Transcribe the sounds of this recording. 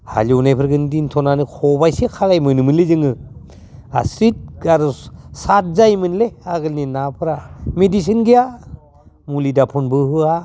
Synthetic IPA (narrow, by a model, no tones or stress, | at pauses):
ha̰luunajpʰɯɾɡɯndintʰɔnanɯkʰɔbajsekʰalajmɯnmɯnlezɯŋɯ | a̰sɾit̚aɾusat̚zajmɯnleaɡɯlninapʰɾamedis̬ɯnɡija | mulidapʰunbɯɦɯa